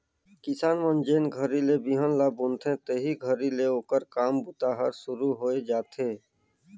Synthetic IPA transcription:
kɪsaːnmə̃nd͡ʒeːnɡʱəɾilebiɦənlabʊ̃nt̪ʰẽt̪eːɦiɡʱəɾileoːkəɾkaːmbʊt̪aːɦəɾsʊɾuɦoːed͡ʒaːt̪ʰeː

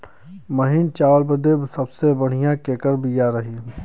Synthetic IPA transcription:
mɐɦɪnt͡ʃaːlbəd̪ebsɐbsebɐɽ̤ijãkeːkəɾbʱijaɾɐɦi

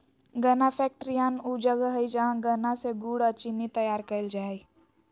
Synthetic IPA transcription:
ɡənapʰɛːk̚ʈɾijaːnuːd͡ʒəɡəɦəid͡ʒəɦãɡənãseɡuːɽət͡ʃinit̪əjaːɾkəld͡ʒaːe

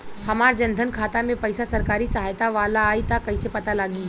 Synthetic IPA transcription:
hɐmaːɾd͡ʒɐ̃nd̪ʱənkʰaːt̪amẽpɐɪsasɐɾkaːɾisɐɦaːjt̪aʋaːlaːit̪akɐisepɐt̪alaːɡiː

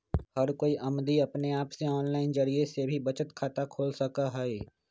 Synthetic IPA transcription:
hɐɾkoːiʔɐmd̪iɐpneaːpseɔːnlaːɪnd͡ʒɐɾiesebʱibɐt͡ʃət̪kʰaːt̪akʰoːlsɐkaɦɛe

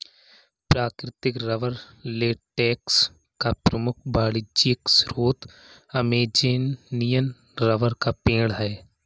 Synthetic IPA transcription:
pɾaːkɾɪt̪ɪkɾəʋəɾ | leːʈɛːks | kapɾəmʊkʰbaːɽɪd͡ʒiksɾoːt̪ | ɐmeːd͡ʒeːnnijən | ɾəʋəɾkapẽːɽɦɛː

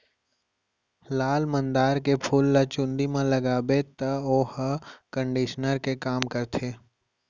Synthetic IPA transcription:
laːlmə̃nd̪aːɾkepʰuːlːɐt͡ʃʊ̃nd̪imãlɐɡaːbet̪əoːhkə̃ɳɖiːʃnəɾkekaːmkəɾt̪ʰeː

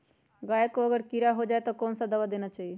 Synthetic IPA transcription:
ɡaːjekːoəɡəɾkiɾaɦod͡ʒaːet̪ɔkɔːnsad̪əʋad̪eːnat͡ʃaːɦie

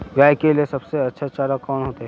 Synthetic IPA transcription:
ɡaːjkeliesɐbseɐtːʃʰaːt͡ʃaːɾakɔːnɦoːt̪aɦɛ

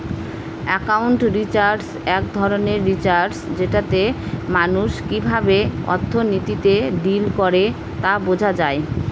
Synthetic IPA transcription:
ɛkawɳʈɾit͡ɕaɾɖsɛk̚d̪ʱɔɾoneɾːit͡ɕaɾɖsd͡ʑeʈat̪emanuʃkibʱabeɔ̰ɾt̪ʰːonit̪it̪eɖilkɔɾe | t̪abod͡ʑʱad͡ʑae

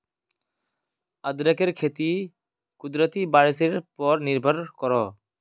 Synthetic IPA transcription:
əd̪ɾəkeɾkʰeːt̪iː | kʊd̪ɾət̪iːbaːɾɪseɾpɔɾnɪɾbʱəɾkɔɾɔː

